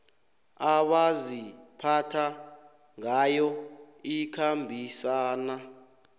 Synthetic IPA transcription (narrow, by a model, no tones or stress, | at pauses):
aɓazipʰatʰa | ŋajɔ | ikʰambʱisaːna